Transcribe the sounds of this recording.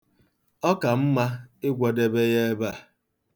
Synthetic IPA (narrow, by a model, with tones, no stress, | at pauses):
ɔ˦ka˨m̩˦ma˦ɪ˦ɡʷɔ˨de˦be˦je˦e˦ba˦˨